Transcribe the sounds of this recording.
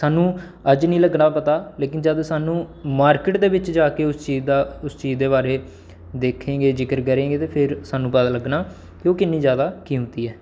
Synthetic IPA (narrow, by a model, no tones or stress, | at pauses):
saːnũː | əd͡ʒnĩːləɡnaːpət̪aːleːk̬ɪnd͡ʒaːd̪saːnũːmaːɾkɪʈd̪eːbɪt͡ʃd͡ʒaːkeːʊst͡ʃiːzd̪aːʊst͡ʃiːzd̪eːβaːɾeː | d̪eːkʰẽːɡeːd͡ʒɪkəɾɡəɾẽːɡeːt̪eːpʰɪɾsaːnũːpət̪aːləɡnaː | t̪eoːkɪnːĩːzjaːd̪aːkiːɦʊ̃nt̪iːɛː